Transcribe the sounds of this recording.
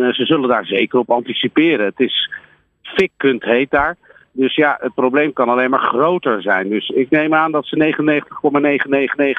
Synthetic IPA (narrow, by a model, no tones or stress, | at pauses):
zəzɵləndaːɹzejkərɔpɑntisipɪːɾənətɪs | fɪkːɵntɦejt̚daːɹ | dɵsjaət̚prowblejmkɑnɑlejmaːɹχrowtəɹzɛ̰jndɵsɪk̚nejmaːndɑtsənejχənənejχəntə̥χkɔmaːnejχənnejχənejχ